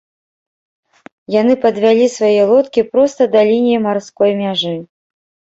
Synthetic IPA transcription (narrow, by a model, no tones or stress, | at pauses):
janɨpɐd̪vʲalʲisvajɛlˠɔt̪kʲipɾɔst̪ɐd̪ɐlʲinʲijimarskɔjmʲaʐɨ